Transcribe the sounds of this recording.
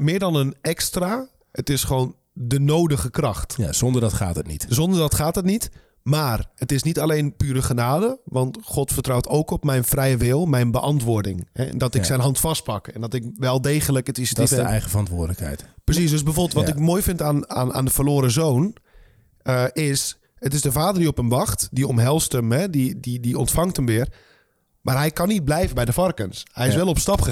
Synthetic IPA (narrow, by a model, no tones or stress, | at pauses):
mɪːɹdɔnənɛkstra | ətɪsχəʋoːn | dənoːdəɣəkrɑxta̰zɔndərdɔtχa̰ːtətnḭtsɔndərdɔtχaːtətnit | maːrətɪsnitalejnpyːɾəχənaːdəʋɑntχɔtfətrawtʰoːkɔpmɛjnfrɛjəʋɪlˠmɛjnbəʔɑntʋʊːɹdɪ̰ŋhɛ̰ndɔtɪkssɛjnɦɑntfɑst̚pɑkɛndɔtɪk̚ʋɛlˠdeːɣələkətɪstɪəɛ̰jɣəfərɑntʋʊːdələkhɛ̰jtprəsis̬døsbɛjfoːbəlˠtʋɔtɪkmoːjfɪntaːna̰na̰ːndəfərloːɾəzoːn | əɪs | ətɪsdəfaːdərdiɔpəmʋɑxtdiɔmɦɛlˠstəmhɛdididiɔntfɑŋthəmʋɪər | maːrɦɛjkanːit̚blɛjvəbɛjdəfɑrkənshɛjɪs̬ʋɛlˠɔpstɑpxə